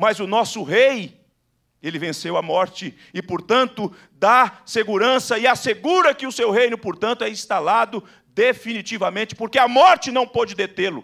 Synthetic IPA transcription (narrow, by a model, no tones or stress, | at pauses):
mɐzʊnɔsʊɦej | elɪvẽsewɐmɔɾt͡ʃɪ | ɪpoɾt̪ɐ̃nt̪ʊ | d̪aseɡuɾɐ̃sɐɪaseɡuɾɐkɪʊsewhejnʊpoɾt̪ɐ̃nt̪ʊɛĩst̪alad̪ʊ | d̪efinit͡ʃivɐmẽnt͡ʃɪ̥poɾkeamɔɾt͡ʃɪnɐ̃w̃pod͡ʒɪd̪et̪elʊ̰